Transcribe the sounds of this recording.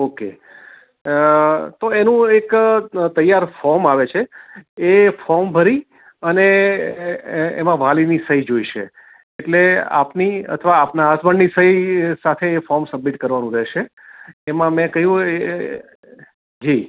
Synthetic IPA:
okḛ | t̪oenũekt̪əjːaɾfɔɾmaʋet͡ʃʰeː | fɔɾmbʱəɾi | əne | ḛmãʋʱalinisəɦid͡ʒoiʃḛː | ʈlea̰pniə̰t̪ʰəʋaːpnaːsbəɳːisəɦisat̪ʰeːfɔɾmsəbmiʈkəɾʋanũɾəɦʃeː | mãmɛ̃kəɦjũe | d͡ʒi

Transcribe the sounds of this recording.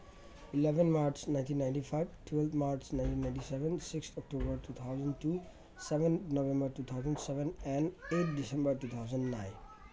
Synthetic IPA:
ilɛʋə̃nmaɾt͡ʃnãɪ̃nʈĩnːãɪ̃ɳʈifʰaɪʋʈʰwɛlt̪ʰmaɾt͡ʃnãɪ̃nʈĩnːãɪ̃nʈisɛʋə̃nsɪkst̪ʰɔk̚ʈobəɾʈut̪ʰaʊzə̃nʈu | sɛʋə̃nnoʋɛ̃mbəɾʈuːt̪ʰaʊzə̃nsɛʋə̃nɛ̃neʈ̚ʰdisɛ̃mbəɾʈuːt̪ʰaʊzə̃nɖnãɪ̃n

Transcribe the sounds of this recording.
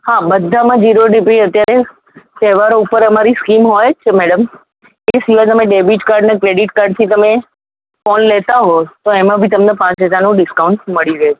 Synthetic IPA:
haːɓəd̪ʱamãd͡ʑiːɾoɖɪbɾiɐt̪jaɾe | seːʋaɾoupəɾɐmaɾiskiːmɦoːjt͡ʃʰɪmɛːɽəm | esiʋat̪̬əmẽɖeːbiʈkaːɾɖnɛkɾeːɖɪʈkaːɾɖ̚t̪ʰit̪ɐmẽ | foːnleɦt̪aɦot̪oemãbʱɪt̪ɐmnẽpãːt͡ʃɦəd͡ʑaɾnũɖɪskãʊ̃ɳʈmɐɽiʋe

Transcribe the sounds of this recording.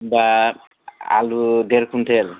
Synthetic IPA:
ba | a̰lud̪eɾkʰumtʰel

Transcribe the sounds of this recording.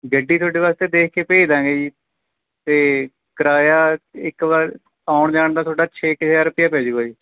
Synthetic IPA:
ɡəɖːiːt̪ʰoːɖeːʋaːst̪eːd̪eːkʰkeːpeːd̪ãːɡeːiː | t̪eː | kəɾaːjaːɪkʋaːɾ | aːʊɳd͡ʒaːɳd̪aːt̪ʰoːɖaːt͡ʃʰeːkɪt͡ʃʰaːɾʊpɪjãːpɛːd͡ʒɡaːiː

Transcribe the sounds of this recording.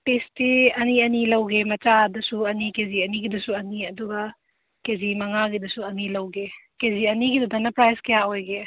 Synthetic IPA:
pestiɐniɐnilɐwɡemɐt͡ʃadɐsuɐnikeziɐniɡidɐsuɐniɐduɡɐ | kezimɐŋaɡidɐsuɐnilɐwɡekeziɐniɡidɐdanɐpɾajskɐjaojɡe

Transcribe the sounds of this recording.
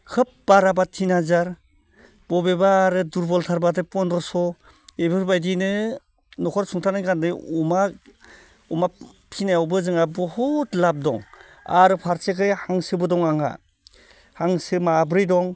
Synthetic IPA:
kʰɯp̚baɾabatʰinhazaɾ | bɔbebaːɾɯduɾbɔltʰaɾbadɯpɔndɔsɔ | ebɯɾbajdinɯ | nɔkʰɔɾsʰuŋtʰanajkandɯuma | uma | pʰinajawbɯzɯŋabɔhutlap̚dɔ̰ŋ | a̰ɾɯpʰaɾsekʰɯjhaŋsɯbɯdɔŋaŋa̰ | haŋsɯmabɾijdɔŋ

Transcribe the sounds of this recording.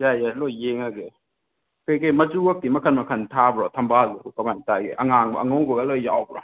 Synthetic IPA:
jajalɔjːeŋaɡe | kɯjkejmɐd͡ʒuak̚dimɐkʰanmɐkʰɐntʰabɾɔtʰambalukamantaɡḛʔaŋaŋba̰aŋɔwɡɔɡalɔjja̰wbɾɔ̰

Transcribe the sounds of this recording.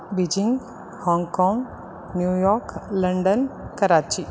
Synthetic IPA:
bid͡ʒiŋɡ | hɔ̃ŋɡkɔ̃ːŋɡ | njujɔːɾkləɳɖənkəɾaːt͡ʃi

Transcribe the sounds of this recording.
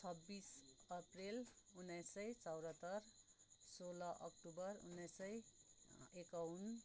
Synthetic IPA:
t͡sʰʌbːisʌprelunʌjsʌjt͡sʌwɾʌt̪ʌrsolʌʔʌ̰kʈubʌrṵnːʌjsʌj | ekawun

